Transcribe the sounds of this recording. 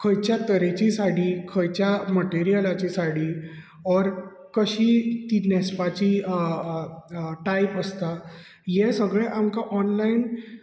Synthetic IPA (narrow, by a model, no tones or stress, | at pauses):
kʰəjt͡ɕjat̪əɾet͡ɕisaɽ̤iːkʰəjt͡ɕjaməʈeɾijəlat͡ɕisaɽ̤i | ɔɾ | kəɕiːt̪inɛspat͡ɕi | ʈajpəst̪a | jesəɡɭeʔamkaʔɔnlain